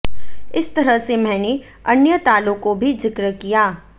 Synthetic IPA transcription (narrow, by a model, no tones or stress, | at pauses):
ɪst̪ɐɾəɦsemɛ̃ːne | ɐnjət̪aːlõkobʱizɪkɾəkijaː